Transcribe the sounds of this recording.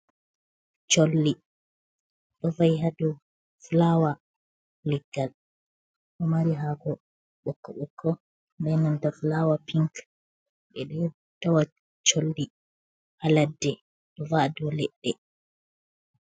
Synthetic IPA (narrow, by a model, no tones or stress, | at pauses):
t͡ʃolːi | ɗɔvajɦadu | flawa | lɛɡal | ʔɔmaɾiɦaɡɔ | ɓɔkːɔɓɔkʰːɔ | ndɛnantafulawapiŋk | ɓɛɗɔ | tawa | t͡ʃolːi | haladːɛ | ɗɔvadɔlɛɗːɛ